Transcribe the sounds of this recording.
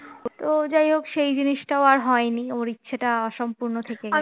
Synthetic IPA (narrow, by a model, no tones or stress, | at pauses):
t̪od͡ʑajɦokʃejd͡ʑiniʃʈaoaɾɦɔenioɾitːɕʰaʈaɔʃompuɾnot̪ʰeke